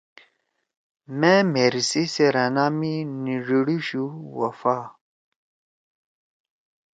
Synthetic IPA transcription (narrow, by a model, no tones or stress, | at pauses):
mẽmeɾisiseɾanaminiʐiɽuɕuwɐfa